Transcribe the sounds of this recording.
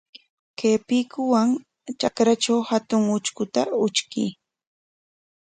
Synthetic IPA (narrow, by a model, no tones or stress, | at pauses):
keːpikʊwaŋ | t͡ʃakɾat͡ʃawhat̪ʊŋʊt͡ʃkʊt̪aʊt͡ʃkḭː